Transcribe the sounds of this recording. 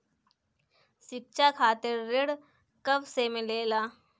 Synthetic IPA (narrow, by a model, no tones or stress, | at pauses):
sɪk̚t͡ʃakʰaːt̪eɾːeɽ | kɐʋsemẽleːlaː